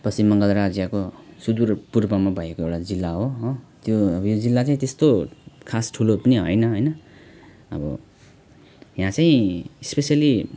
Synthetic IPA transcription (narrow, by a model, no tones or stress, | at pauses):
pʌsimːʌŋɡʌlɾad͡zjakosud̪urpurbʌmabʱʌjekoewʈad͡zilːaɦoɦot̪joʌbʌjod͡zilːat͡saĩt̪est̪okʰasʈʰulopʌniɦʌjnʌɦʌjnʌ | ʌ̰bʌ̰ | jãt͡saĩspesijali